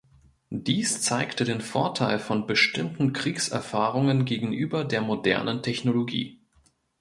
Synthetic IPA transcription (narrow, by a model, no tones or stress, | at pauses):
d̥iːst͡saɪktədeːnfoɐtʰaɪlfɔnbəʃtɪmtn̩kʁ̥iːksʔɛɐfaːʁʊŋənɡeːɡŋ̩ʔyːbɐdeːɐmodɛ̰ɐnəntʰɛçnoloɡḭː